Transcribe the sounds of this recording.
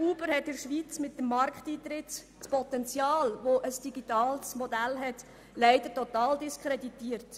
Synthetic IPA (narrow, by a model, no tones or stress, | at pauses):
uːbəɾhɛt̚ɪɾʃʋit͡smɪtːəmːɑɾkχtiːt̪ɾɪt | spɔt̪ɛnt͡sjɑːlʋoʔəsd̥iɡitɑːlsmodælɦɛt | lɛɪd̥̪əɾtot̪ɑːldiskχɾeditiːəɾt